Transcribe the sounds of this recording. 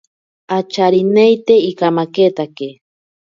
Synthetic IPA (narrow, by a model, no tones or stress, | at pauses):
at͡ʃaɾinejt̪eikamaket̪ake